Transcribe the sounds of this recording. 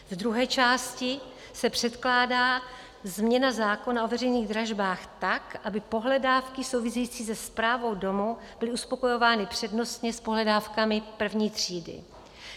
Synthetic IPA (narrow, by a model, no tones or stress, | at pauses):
vd̪ɾuɦɛːt͡ʃaːscɪ | sɛpr̥ɛt̪klaːdaː | zmɲɛnazaːko̞naʔo̞vɛrɛjniːɣd̪ɾaʒbaːxt̪akʔabɪpo̞ɦlɛdaːfkɪso̞wvɪsɛjiːt͡siːs̬ɛspɾaːvo̞wdo̞mu | b̥ɪlɪʔuspo̞ko̞jo̞vaːnɪpr̝̥ɛdno̞st̪ɲɛspo̞ɦlɛdaːfkamɪpr̩vɲiːt̪r̝̥iːdɪ̰